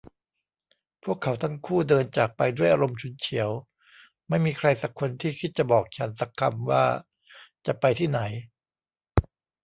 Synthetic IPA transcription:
pʰu˥˩əkʰːa˩˦wt̪ʰa˧˥˩ŋkʰuː˥˩dɤː˧nt͡ɕaː˨˩k̚pa˧jdu˥˩əjʔaː˧ɾo˧mt͡ɕʰu˧nt͡ɕʰi˩˦əw | ma˥˩jmiː˧kʰɾa˧jsa˨˩kʰːo˧nt̪ʰiː˥˩kʰi˦˥t̪̚t͡ɕa˨˩bɔː˨˩k̚t͡ɕʰa˦nsa˨˦kʰa̰˧mwa̰ː˥˩ | t͡ɕa˨˩pa˧jt̪ʰiː˥˩na˩˦j

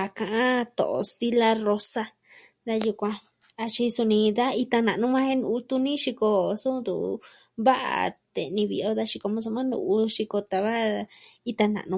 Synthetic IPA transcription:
a˧kã˧ʔã˦t̪o̰˨ʔo̰˧st̪i˧la˧ro˧sa˧ | d̪a˧ju˧kʷã˧ | a˧t͡ʃi˧su˧nĩ˧d̪a˦i˧t̪a˧nã˨nũ˦mã˦he˦nũ˧u˧t̪u˧nĩ˦ʃi˧ko˧su˦˧nd̪ṵ˨ | βa˦ʔa̰˨t̪e˧nĩ˧βi˧o˧d̪a˧ʃi˧ko˧mõ˧s̬o˧mã˦nṵ̃˧u˧ʃi˧ko˧t̪a˧βa˦i˧t̪a˧nã̰˨ʔnũ˧

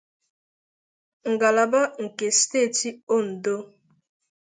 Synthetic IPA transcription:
ŋ̩˨ɡa˨la˨ba˦ŋ̩˨ke˨ste˦˨ti˦o˦n̩˨do˦

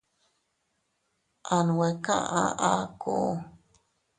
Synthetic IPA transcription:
ʔa˧nu˨we˨kã̰˦ʔã̰˧ʔa˦ko˦˨˦

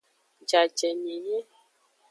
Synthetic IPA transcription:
d͡ʒa˨d͡ʒɛ˨ɲe˨je˦

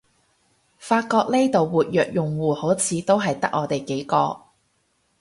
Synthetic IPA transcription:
faː˧t̚kɔː˧k̚ne˥jt̪o˨wwuː˨t̚jœː˨k̚jʊ˨ŋwuː˨ho˨˥wt͡sʰiː˨˧t̪o˥wɦɐ˨jt̪ɐ˥k̚ʔɔː˨˧t̪e˨˩jke˨˥jkɔː˧

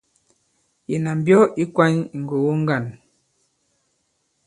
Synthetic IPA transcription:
je˨na˨m˨bjɔ˦i˦kwa˦ɲ˨ŋ̩˨ɡo˨wu˦ŋ˦ɡa˦˨n

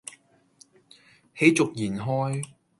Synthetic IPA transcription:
he˨˥jt͡sʊ˨k̚jiː˨˩nɦɔː˥j

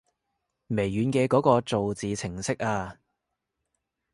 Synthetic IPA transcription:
me˨˩jːyː˨˧nkɛː˧kɔː˨˥kɔː˧t͡so˨wt͡siː˨t͡sʰɪ˨˩ŋsɪ˥k̚aː˧

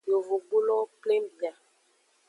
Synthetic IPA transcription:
jo˨vo˨ɡ͡bu˦lɔ˦kle˦mbi˨a˨

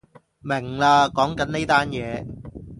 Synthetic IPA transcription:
mɪ˨˩ŋlaː˧kɔː˨˥ŋkɐ˨˦˥nne˥jt̪aː˥njɛː˨˧

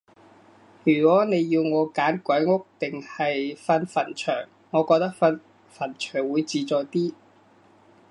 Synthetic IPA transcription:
jyː˨˩kʷɔː˨˥ne˨˧jːiː˧wŋɔː˨˧kaː˨˥nkʷɐ˨˥jŋʊ˥k̚t̪ɪ˨ŋhɐ˨jfɐ˧nfɐ˨˩nt͡ʃʰœː˨˩ŋːɔː˨˧kɔː˧k̚t̪ɐ˥k̚fɐ˧n | fɐ˨˩nt͡ʃʰœː˨˩ŋwuː˨˧jt͡siː˧t͡sɔː˨˧jt̪iː˥

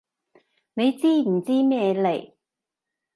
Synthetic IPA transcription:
ne˨˧jt͡siː˥m̩˨˩t͡siː˥mɛː˥˧le˨˩j

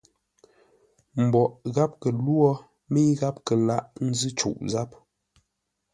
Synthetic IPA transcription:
m̩˨bɔ˨ʔɣa˦p̚kə˨lwɔ˦ | mi˦ɣa˦p̚kə˨la˦ʔn̩˦zɨ˦t͡ʃṵ˨ʔza˦p̚

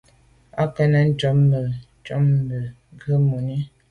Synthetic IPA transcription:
a˦kə˦nə˦n̩˦t͡ʃɔ˦m˦bə˨ | t͡ʃɔ˦m˦bə˨ | ɡə˦mo˨ni˦

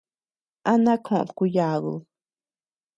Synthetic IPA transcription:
ʔa˦nã˦kʰõ˧ʔku˧ja˧˨ɣṵ˧

